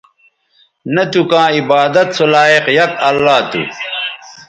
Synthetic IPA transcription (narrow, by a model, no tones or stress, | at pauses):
nɐt̪ukãːibaːd̪ɐt̪solaːeqjɐkɐlːaːt̪ṵ